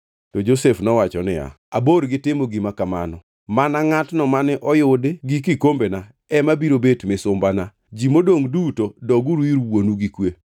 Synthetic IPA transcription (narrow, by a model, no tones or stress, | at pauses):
tod͡ʒosefnɔwat͡ʃɔnɪ̰ja̰ | aboɾɡɪtɪmoɡimakama̰nɔ | manaŋatnɔmanɛʔɔjʊdɡik̬ɪkombena | ɛmabiɾobetmɪsʊmbana | d͡ʒimodoŋdutodɔɡuɾwiɾwonuɡikwe